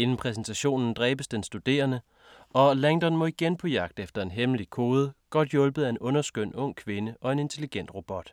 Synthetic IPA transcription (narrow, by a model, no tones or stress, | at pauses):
e̝nn̩pʰʁɛs̬n̩t͡sʰæɕo̝̰ːnn̩d̥ʁɛːb̥əsd̥ensd̥ud̥e̝̰ːɐnə | ɒ̽læŋd̥ɒ̽nmɒ̽iɡ̥enpʰɒ̽jɑ̈ɡ̥d̥efd̥ɐe̝nɦemlikʰo̝ːð̞ˠəɡ̥ɒ̽d̥jɔ̽lb̥əð̞̩ˠæe̝nɔ̽nɐsɡ̥øn̰ɔ̽ŋ̰kʰʋe̝nəʔɒ̽e̝ne̝nt͡sʰe̝liɡ̥en̰d̥ʁo̝b̥ɒ̽d̥